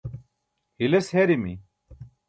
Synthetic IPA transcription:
hilesheɾimḭ

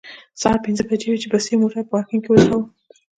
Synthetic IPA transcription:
sɑpɪnzəbad͡ʒewit͡ʃebasijmoʈapəwɑkiŋkewəzawə

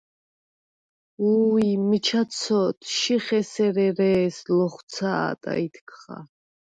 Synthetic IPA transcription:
uːimit͡ʃʰat̪sʰɔt̪ʰʃiχɛsɛɾɛɾɛːslɔχt̪sʰa̰t̪ʼa̰it̪ʰkʰχa̰

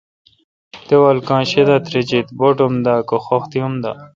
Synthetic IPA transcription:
t̪ewɐlkãːɕed̪at̪ɾet͡ɕit̪boʈomd̪aːkoxoxt̪iumd̪a̰

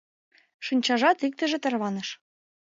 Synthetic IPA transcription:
ʃɯnʲt͡ɕɑʒɑt̪ik̚t̪ə̆ʒĕt̪ɤ̆rβɑnɤ̆ʃ

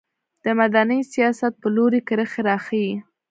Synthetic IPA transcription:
d̪̥əmad̪anəjsijɑsat̪̚pəloɾikəɾəxeɾɑxəi

